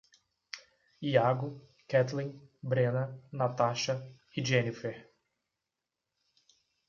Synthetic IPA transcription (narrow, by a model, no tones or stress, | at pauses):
iaɡʊ | kɛt̪lĩbɾẽnɐnat̪aʃɐ | iʒenifeɾ